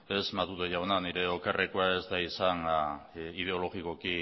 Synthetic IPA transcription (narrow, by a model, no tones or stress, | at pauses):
esmat̪uðeʝawnaniɾe̞okarekoae̞zd̪aisaŋ | ið̞e̞o̞lo̞ɣiko̞ki